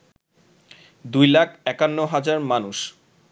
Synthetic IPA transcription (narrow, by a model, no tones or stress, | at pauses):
d̪ujlakʰɛkanːoɦad͡ʑaɾmanuʃ